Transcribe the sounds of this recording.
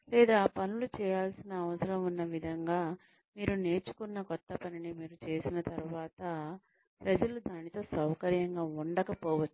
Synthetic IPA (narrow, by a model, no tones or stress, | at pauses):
lɛːd̪aːpɐnulut͡ʃɛːjaːlsinɐːʋɐsɐɾɐmunːɐʋid̪ʱɐŋɡaː | miːɾune̞ːt͡ʃu̥kunːɐkɔt̪ːɐpɐninimiːɾut͡ʃe̞ːsinɐt̪ɐɾuʋaːt̪ɐ | pɾɐd͡ʒɐlud̪aːnit̪o̞ːsɐwkɐɾjɐŋɡaːuɳɖɐkɐpɔːʋɐt͡ʃːu̥